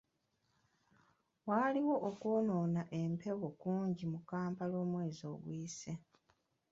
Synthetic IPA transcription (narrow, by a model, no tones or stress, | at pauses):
waːliwo̞ʔokuno̞ːnaʔe̞mpʰe̞wokuːɲɟimukaːmpalo̞ːmwe̞ːzo̞ːɡwiːse